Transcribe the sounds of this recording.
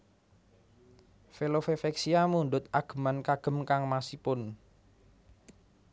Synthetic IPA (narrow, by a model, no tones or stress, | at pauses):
felofefɛksiamuɳɖʊt̪̚aɡ̥ə̤mankaɡ̥ə̤mkaŋmasipʊn